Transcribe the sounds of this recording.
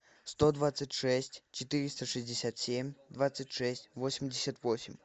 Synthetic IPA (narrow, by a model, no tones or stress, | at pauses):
st̪od̪vat̪sɨtʲʂɛsʲtʲt͡ɕɪt̪ɨɾʲɪst̪əʂɨzʲdʲɪsʲat̪sʲemʲd̪vat̪sɨtʲʂɛsʲtʲvosʲɪmʲdʲɪsʲət̪vo̞sʲɪmʲ